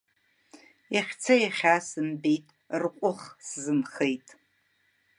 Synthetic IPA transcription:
jaχʲt͡sʰajaχʲasɨmbejtʼ | rqʷʼʊχszɨmχejtʼ

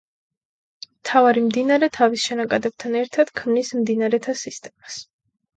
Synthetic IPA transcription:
mt̪ʰavaɾimd̪inaɾɛt̪ʰavisʃɛnakʼad̪ɛb̚t̪ʰanɛɾt̪ʰad̪̥kʰmnismd̪inaɾɛt̪ʰasist̪ʼɛmas

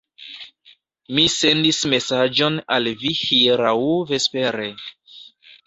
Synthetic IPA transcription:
mise̞ndisme̞sad͡ʒo̞nalvihiɾawve̞spe̞ɾe

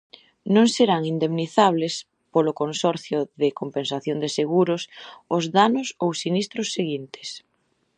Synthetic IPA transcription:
nõŋseɾaŋind̪emniθaβ̞lɪs | polʊkonsɔɾθjʊðɪkompensaθjond̪ɪseɣuɾʊsʊzðanʊsowsinist̪ɾʊsːeɣint̪ɪ̥s

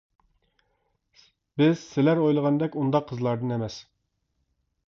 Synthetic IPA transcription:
b̥ɪz̥sɪlæɾojlˠəʁɑnd̪ɛkʲund̪ɑqʰːəzlˠɑɾd̪ɨnɛmɛs

